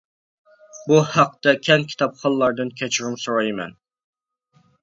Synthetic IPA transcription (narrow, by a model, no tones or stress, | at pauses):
buhæq̚t̪ɛkʲʰɛŋkʲʰi̥t̪ʰɑpχɑlˠːɑɾd̪ɨnkʲʰɛt͡ʃʰuɾumsoɾɑjmɛ̰n